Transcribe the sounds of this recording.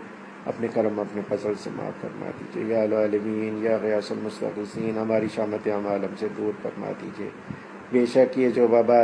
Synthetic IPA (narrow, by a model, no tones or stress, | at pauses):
ɐ̰pnekɐɾəmɐpnefɐzəlsḛma̰ːfːɐ̰ɾma̰ːd̪ḭːd͡ʒiḛːjaːlaːlɪmiːnjaɣɪjaːsʊlmʊst̪ə̰qɪsiːnɦɐmaːɾiʃaːmət̪eamaːləmsed̪uːɾfɐ̰ɾma̰ːd̪iːd͡ʒiḛː | beːʃɐkjed͡ʒoːbaːba